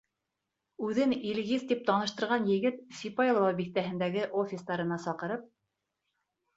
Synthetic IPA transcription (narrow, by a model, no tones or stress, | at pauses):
ʉðɘnilɣizt̪ip̚t̪ɑnɤ̆ʃt̪ɤ̆ɾʁɑnjɘ̆ɡɘt̪sʲipɑjlˠvɑbiθt̪æɦɘ̆nd̪æɡɘʔofʲɪsd̪ɑɾɤ̆nɑsɑqɤ̆ɾɤp̚